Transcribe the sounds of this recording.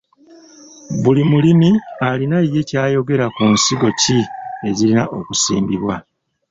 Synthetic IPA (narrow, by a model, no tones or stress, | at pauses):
βulimulimialinaije̞caːjo̞ɡe̞ɾakunsiɡo̞cie̞ɟilinaʔo̞kusḭːmbiβwa